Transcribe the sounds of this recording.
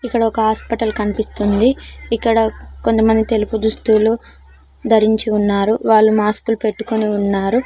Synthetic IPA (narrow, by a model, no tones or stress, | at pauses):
ikːɐɽɐɔkɐɦaːspɐʈɐlkɐnipist̪und̪iikːɐɽɐko̞nt̪ɐmɐnd̪it̪e̞lupud̪ust̪ulu | d̪ʱɐɾiɲt͡ʃiunːaːɾuʋaːɭːumaːskulupe̞ʈːukoniunːaːɾu